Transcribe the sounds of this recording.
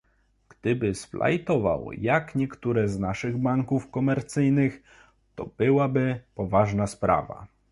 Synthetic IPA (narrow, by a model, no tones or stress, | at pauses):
ɡ̥d̪̥ɘbɘsflʔa̰jt̪ɔva̰wjakɲɛkt̪uɾɛznaʂɘɣbaŋkufkɔmɛɾt̪sɘjnɘx | t̪ɔ̰b̥ɘwabɘpɔvaʐnaspɾa̰va̰